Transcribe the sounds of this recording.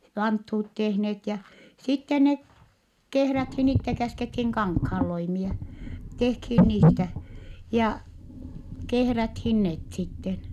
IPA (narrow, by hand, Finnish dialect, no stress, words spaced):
ʋɑnthuːt tehnet jɑ sitːen ne kehræthin itːe kæskethin kɑŋkhɑːlːoimie tehkhin niːtæ jɑ kehræthin net sitːen